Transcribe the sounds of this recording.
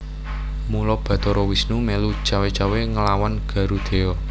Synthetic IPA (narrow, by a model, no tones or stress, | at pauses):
mulɔb̥ä̤t̪ɔɾɔwisnumelut͡ʃawet͡ʃaweŋəlawanɡ̥a̤ɾud̪̥e̤ɔ